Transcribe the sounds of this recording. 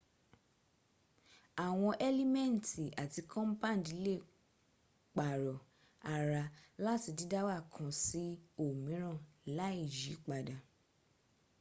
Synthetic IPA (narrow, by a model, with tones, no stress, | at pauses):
a˨w̃ɔ̃˧ʔɛ˦li˦mɛ̃˦˨n̩˨ti˨a˨ti˧kʰɔ̃˦m˦pã˦˨di˨˦le˦˨ | k͡pa˨ɾɔ˨ | a˨ɾa˧la˦ti˧di˦da˦wa˦˨kʰã˨˧si˦o˦˨mĩ˨˦ɾ̃ã˦˨la˨˦i˦˨d͡ʒi˨˦k͡pa˨da˨